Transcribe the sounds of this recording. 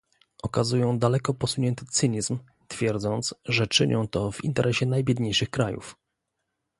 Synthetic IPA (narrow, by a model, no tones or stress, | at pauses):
ɔkazujɔ̃w̃d̪alɛkɔpɔsuɲɛnt̪ɘ̥t̪sɘɲizm | t̪fʲjɛɾd̪zɔnt̪sʐɛt͡ʂɘɲʔɔ̰̃w̃t̪ɔvḭnt̪ɛɾʔɛɕɛnajbʲjɛd̪ɲejʂɘxkɾajṵf